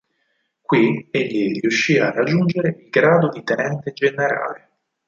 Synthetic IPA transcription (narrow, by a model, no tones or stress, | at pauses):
kwieʎːiriuʃːiarːad͡ʒːund͡ʒeɾeilɡɾaːd̪od̪it̪enɛnt̪ed͡ʒeneɾa̰ːle